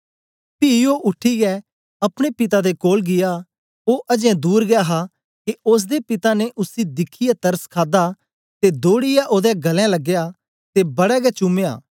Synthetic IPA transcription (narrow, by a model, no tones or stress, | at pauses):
pioːʔʊʈʰːiɡɛ | ɐpɽ̃epɪt̪ad̪ekoːlɡɪja | oːʔɐd͡ʒɛ̃d̪uːɾɡjaːɦa | keʊs̬d̪epɪt̪aneʔʊsid̪ɪkʰijat̪ɐɾskʰaːd̪a | t̪ed̪oːɽɪjaʔoːd̪ɛɡɐlɛ̃lɐɡːejaː | t̪ebɐɽɛɡɛt͡ʃʊmeja̰ː